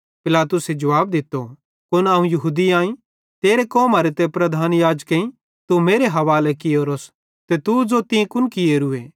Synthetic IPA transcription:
pɪlaːt̪ʊsed͡ʒɐʋaːb̚d̪ɪt̪ːo | kʊnaːũjɐɦuːd̪iãːĩ | t̪eːɾekɔːmaːɾet̪ɛpɾɐd̪ʱaːnjaːd͡ʒkẽĩ | t̪umeːɾeɦɐʋaːlekɪoːɾoːs | t̪et̪ud͡zot̪ĩkʊnkɪjeɾʊe

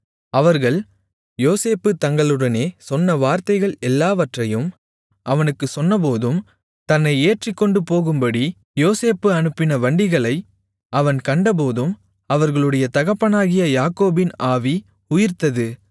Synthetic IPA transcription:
ɐʋɐɾɣɐɭ | joːseːpːɯt̪ɐŋɡɐɭɯɽɐneːsɔnːɐʋaːɾt̪ɐɪɣɐɭɛlːaːʋɐʈrɐjɯm | ʔɐʋɐnɯkːɯsɔnːɐp̬oːðɯm | t̪ɐnːɐɪeːʈrɪkːɔɳɖɯpoːɣɯmbɐɽi | joːseːpːɯɐnɯpːɪnɐʋɐɳɖɪɣɐɭɐɪ | ʔɐʋɐnkɐɳɖɐp̬oːðɯm | ɐʋɐɾɣɐɭɯɽɐjɐt̪ɐɣɐpːɐnaːɣɪjɐjaːkoːbɪnaːʋi | ʊjɪɾt̪ɐðɯ

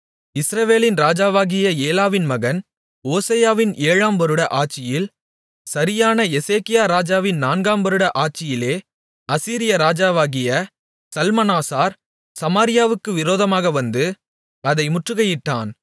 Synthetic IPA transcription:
ɪsɾɐʋeːlɪnɾaːd͡ʒaːʋaːɣɪjɐeːlaːʋɪnmɐɣɐn | oːsɐjaːʋɪneːɻaːmʋɐɾɯɽɐʔaːt͡ʃːɪjɪl | sɐɾɪjaːnɐɛseːkɪjaːɾaːd͡ʒaːʋɪnnaːnɡaːmbɐɾɯɽɐʔaːʈ̚t͡ʃːɪjɪleː | ɐsiːɾɪjɐɾaːd͡ʒaːʋaːɣɪjɐ | sɐlmɐnaːsaːɾ | sɐmaːɾɪjaːʋɯkːɯʋɪɾoːðɐmaːɣɐʋɐnd̪ɯ | ɐðɐɪmʊʈrɯɣɐjɪʈːa̰ːn

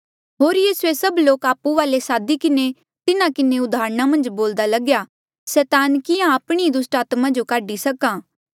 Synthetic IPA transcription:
ɦoːɾjiːsuesɐbloːkaːpuʋaːlesaːd̪ikɪne | t̪ɪnãkɪneʊd̪aːɾɽ̃amɐ̃nd͡ʒboːld̪alɐɡja | sɛːt̪aːnkɪjãɐpɽ̃id̪ʊsʈaːt̪mãd͡ʒokaːɖisɐkãː

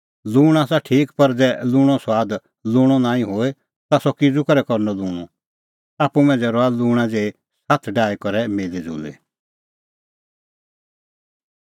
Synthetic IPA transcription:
luːɽ̃aːsaʈʰiːkpɐɾd͡zɛːlʊːɽ̃ɔ̃swaːd̪ | lʊːɽ̃ɔnãːĩɦoːe | t̪asɔkɪd͡zukɔɾɛkɔɾnɔluːɽ̃ũ | aːpumɛ̃d͡zɛɾɔaluːɽ̃ad͡zeːe | sat̪ʰɖaːekɔɾɛmeːlid͡zṵːlḛ

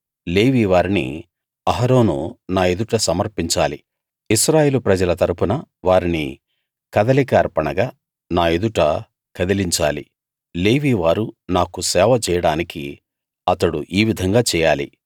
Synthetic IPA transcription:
le̞ːʋiːʋaːɾinḭ | ɐɦɐɾo̞ːnṵnaːe̞d̪uʈɐsɐmɐɾpiɲt͡ʃaːlḭ | isɾaːjeːlupɾɐd͡ʒɐlɐt̪ɐɾupunɐʋaːɾinḭ | kɐd̪ɐlikɐːɾpɐɳɐɡaː | naːe̞d̪uʈɐ | kɐd̪iliɲt͡ʃa̰ːlḭ | le̞ːʋiːʋaːɾunaːkusɛːʋɐt͡ʃɛːjɐɽaːniki | ɐt̪ɐɽuʔiːʋid̪ʱɐŋɡaːt͡ʃɛːjaːlḭ

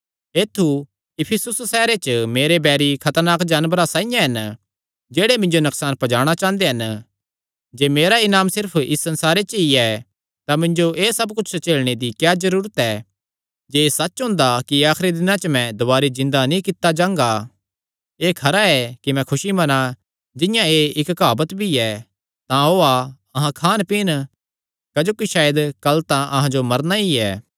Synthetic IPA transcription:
eːt̪ʰːu | ɪpʰɪsʊssɛːɾet͡ʃəmeːɾebɛːɾikʰɐt̪əɾnaːkd͡ʒaːnbəɾasãːɪjãɦɐn | d͡ʒeːɽemɪ̃ɲd͡ʒonɐksaːnpɐd͡ʒaːɽ̃at͡ʃãːnd̪eɦɐn | d͡ʒeːmeːɾaɪnaːmsɪɾpʰɪsːɐ̃nsaːɾet͡ʃəiɛ | t̪amɪ̃ɲd͡ʒoʔeːsɐbkʊt͡ʃʰst͡ʃeːlɽ̃ed̪ikjaːzɐɾuːɾət̪ɛ | d͡ʒeːsɐt͡ʃɦʊ̃ːnd̪akiaːxɾid̪ɪnãt͡ʃmɛ̃d̪ʊʋaːɾizɪ̃nd̪anĩkɪt̪ːad͡ʒãːŋɡa | eːkʰɐɾaɛkimɛ̃kʰʊʃimɐna | d͡ʒɪ̃jãeɪkkaːbət̪bʱiɛ | t̪ãɦoːa | ɐɦãkʰaːnpɪn | kɐd͡ʒoːkiʃaːjəd̪kɐlt̪ãʔɐɦãd͡ʒomɐɾnaiɛ̰ː

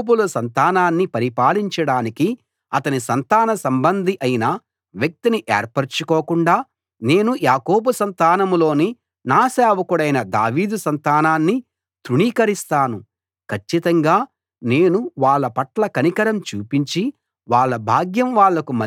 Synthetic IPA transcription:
bulɐsɐnt̪aːnaːnːipɐɾipaːliɲt͡ʃɐɽaːniki | ɐt̪ɐnisɐnt̪aːnɐsɐmbɐnd̪ʱiʔɐjinɐ | ʋjɐk̚t̪iniʔɛ̰ːɾpɐɾt͡ʃukoːkuɳɖaː | ne̞ːnujaːko̞ːbusɐnt̪aːnɐmlo̞ːni | naːsaːʋɐkuɽɐjnɐd̪aːʋiːd̪usɐnt̪aːnaːnːi | t̪ɾuɳiːkɐɾist̪aːnu | kʰɐt͡ʃːit̪ɐŋɡaː | ne̞ːnuʋaːɭːɐpɐʈlɐkɐnikɐɾɐmt͡ʃuːpiɲt͡ʃi | ʋaːɭːɐbʱaːɡjɐmʋaːɭːɐkumɐ

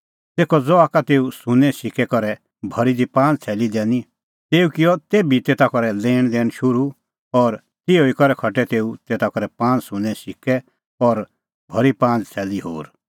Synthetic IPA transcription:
t̪eːkʰɔd͡zɔaːkat̪eːusʊ̃nɛ̃ʃɪkɛkɔɾɛ | bʱɐɾid̪ipãːnd͡zt͡sʰɛːlid̪ɛːni | t̪eːukɪjɔt̪eːbit̪eːt̪akɔɾɛleːɽ̃d̪ɛːñʃʊɾu | ɔɾ | t̪ɪoikɔɾɛkʰɔʈɛt̪eːut̪eːt̪akɔɾɛpãːnd͡zsʊ̃nɛ̃ʃɪkɛ | ɔɾ | bʱɐɾipãːnd͡zt͡sʰɛːliɦo̰ːɾ

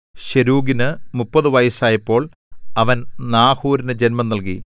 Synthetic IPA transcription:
ɕeɾuːɡinɨmupːɐðɨʋɐjɐsaːjɐpːo̞ːɭ | ɐʋɐnnaːhuːɾinɨd͡ʑenmɐnɐlk̬ḭ

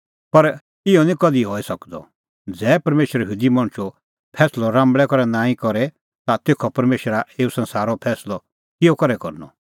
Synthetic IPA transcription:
pɐɾ | ɪɔnĩkɔd̪iɦɔːisɐkd̪ɔ̰ | d͡zɛːpɐɾmeːʃəɾjɦuːd̪imɐ̃ɽ̃t͡ʃu | pʰɛːslɔɾãːmbɭɛkɔɾɛnaːĩkɔɾɛ | t̪at̪eːkʰɔpɐɾmeːʃɾaeːusɐ̃nsaːɾɔpʰɛːslɔ | kɪjɔkɔɾɛkɔɾnɔ̰

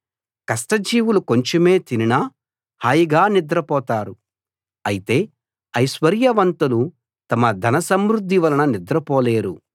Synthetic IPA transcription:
kɐsʈɐd͡ʒiːʋuluko̞ɲt͡ʃeme̞ːt̪ininɐ | haːjiɡaːnid̪ɾɐpɔːt̪aːɾu | ɐjit̪e̞ː | ɐjʃʋɐɾjɐʋɐnt̪ɐlu | t̪ɐmɐd̪ʱɐnɐsɐmɾud̪ʱːiʋɐlɐnɐnid̪ɾɐpɔːle̞ːɾu

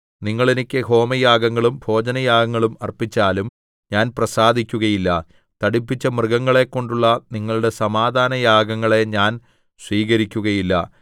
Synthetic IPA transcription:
niŋːɐɭenikʲːɨɦo̞ːmɐjaːɡɐŋːɐɭumbʱo̞ːd͡ʑɐnɐjaːɡɐŋːɐɭumɐrpit͡ɕːaːlum | ɲaːnprɐsaːd̪ʱikʲːuɣɐjilːɐ | t̪ɐɽipːit͡ɕːɐmrɨɡɐŋːɐɭe̞kːo̞ɳɖuɭːɐniŋːɐɭuɽe̞sɐmaːd̪ʱaːnɐjaːɡɐŋːɐɭe̞ɲaːn | sʋiːɣɐɾikʲːuɣɐjilːɐ̰

